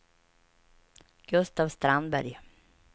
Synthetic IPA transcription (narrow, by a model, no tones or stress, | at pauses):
ɡ̥ɵst̪aːvst̪ɾand̪bæɾj